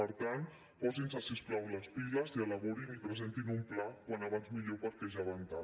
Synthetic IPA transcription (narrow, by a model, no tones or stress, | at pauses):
əɾt̪ant̪ | pɔzinsasisklawləspiləziələβɔɾinipɾəzent̪inumplakwanaβanzmiʎopəɾkɛʒaβant̪a